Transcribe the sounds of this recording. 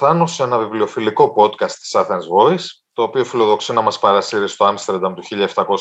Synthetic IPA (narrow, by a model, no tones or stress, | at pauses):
θɐnuse̞nɐviblio̞filiko̞po̞t̪kɐst̪i̥sɐθenzvo̞is | t̪o̞ːpio̞filo̞ðo̞ksinɐmɐspɐɾɐsiɾist̪oɐmst̪ɾed̪ɐmt̪uçiʎɐeft̪ɐko̞s